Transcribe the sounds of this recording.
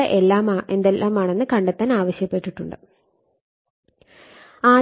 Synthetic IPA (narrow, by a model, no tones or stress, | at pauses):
ɐʔe̞lːaːmaːʔe̞nd̪elʔaːmaːɳe̞nːɨkɐɳɖɐt̪ːaːnaːʋɐɕjɐpːe̞ʈːiʈːuɳɖɨ | aː